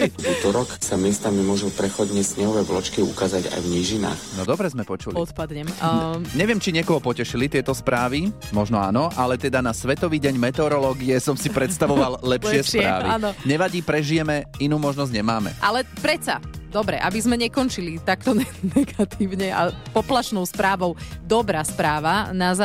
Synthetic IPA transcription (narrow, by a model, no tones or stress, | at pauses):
ut̪ɔɾɔksamɪɛst̪amimʊɔʒupɾɛxɔd̪ɲɛsɲɛɦɔʋɛjblɔt͡ʃkiukaːzaɟa̰jvɲiʒina̰ːxnɔd̪ɔbɾɛzmɛpɔt͡ʃuliɔt̪pad̪ɲɛmɲɛʋɪɛmt͡ʃiɲɪɛkɔɦɔpɔcɛʃilit̪ɪɛt̪ɔspɾaːʋimɔʒnɔa̰ːnɔʔalɛt̪ɛd̪anasʋɛt̪ɔʋiːɟɛɲmɛt̪ɛɔɾɔlɔːɡiɛsɔmsipɾɛt̪st̪aʋɔʋallɛpʃɪɛspɾa̰ːʋianɔɲɛʋaɟiːpɾɛʒijɛmɛinuːmɔʒnɔzɟɲɛmaːmɛ̰ʔalɛpɾɛt̪t͡sad̪ɔbɾɛʔabizmɛɲɛkɔnt͡ʃilit̪akt̪ɔnɛnɛɡat̪ʰiːʊɲɛa̰pɔplaʃnɔʊspɾaːʋɔʊd̪ɔbɾaːspɾaːʋanaza